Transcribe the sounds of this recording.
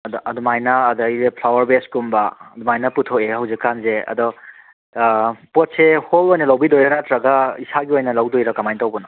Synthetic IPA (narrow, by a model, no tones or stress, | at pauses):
ɐdɔʔɐdumajnɐːdɔjepʰlawɐɾbeskumbɐɐdumajnɐputʰoehɐwzikːanzeɐ̰dɔ | pot̚seholojnɐlɐwbidojɾɐnatɾɐɡɐisaɡiojnɐlɐwdojɾɐkɐmajntɐwbɐnɐ